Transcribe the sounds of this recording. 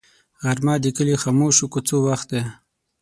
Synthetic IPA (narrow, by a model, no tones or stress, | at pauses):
ɣaɾmɑd̪ikəlixɑːmoʃukut͡sowaxt̪̚d̪e